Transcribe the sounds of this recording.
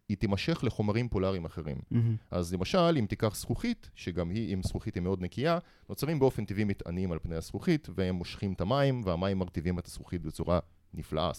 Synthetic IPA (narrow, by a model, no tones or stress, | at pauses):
it̪imaʃe̞χleχo̞maʁimpolaʁimaχe̞ʁḭmʔazle̞maʃalimt̪ikaχsχuχit̪ʃeɡamhiʔimsχuχithimeo̞d̪nekija | no̞t͡saʁimbeo̞fe̞nt̪ivimit̪a̰nimalpnejasχuχit̪veemːoʃχimetamaimveamaimːaʁt̪ivimet̪ḁsχuχitbet͡suʁa | nifla̰ʔa̰